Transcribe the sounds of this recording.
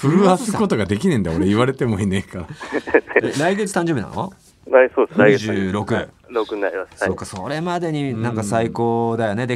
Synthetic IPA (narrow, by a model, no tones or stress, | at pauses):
ɸɯ̟ɾɯasɨko̞t̪oɡad̪e̞kʲinẽnd̪aoɾeiβaɾe̞t̪e̞moinẽkaɾa | eɾaiɡe̞t͡sɨ̥t̪ãɲd͡ʑobina̰no̰ | ɾasoːdesɾaiʑɨːɾo̞kɯ̟ | ɾokɯɲinaɾʲimassaokaso̰ɾe̞mad̪e̞ɲ̟inãŋkasaiko̞ːd̪ajo̞ne̞d̪e